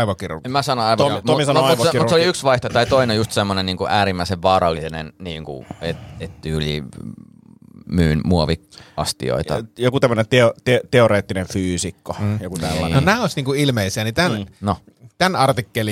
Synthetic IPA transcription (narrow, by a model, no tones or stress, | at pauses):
iʋokiremæsɑnoɑiʋoomisɑnoɑʋokirmuseoliyksʋɑiht̪ot̪ɑit̪oineojust̪semːoneniːŋkuʔæːɾimːæˑiseʋʋɑːɾɑlːinḛnniːŋkṵet̪et̪t̪yːlḭ | myːnmuoʋikɑ̰st̪ḭo̰it̪ɑ̰jokut̪æmːønent̪eot̪et̪eoɾeːt̪ːineɱfyːsikːojokut̪ælːɑ̰nonæːosʲniːŋkuilmeisiænit̪ænno | t̪ænɑrt̪ikːeli